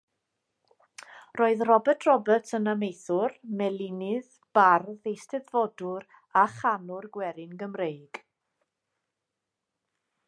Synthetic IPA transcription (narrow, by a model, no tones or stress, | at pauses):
roːɨðrɔbətʰrɔbətʰənəmejθʊrmɛlɪnɪð | b̥arðejstʰɛðvɔdʊɾ | aχanʊrɡwɛɾɪnɡəmrejɡ̥